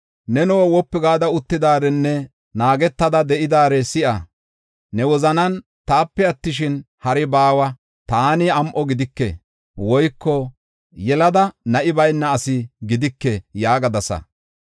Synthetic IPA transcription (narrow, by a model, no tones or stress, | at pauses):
nɛnɔwwɔpːɪɡaːd̪ɐʊt̪ːɪd̪aːɾɛnːɛ | naːɡɛt̪ːɐd̪ɐd̪ɛʔɪd̪aːɾɛsɪʔɐ | nɛwɔzɐnɐn | t̪aːpːɛɐt̪ːɪʃ̬ɪn | hɐɾɛbaːwɐ | t̪aːnɪɐmʔɔɡɪd̪ɪkːɛ̰ | wɔjkːɔ | jɛlɐd̪ɐnɐʔɪbɐjnːɐːsɪɡɪd̪ɪkːɛjaːɡɐd̪ɐsɐ̰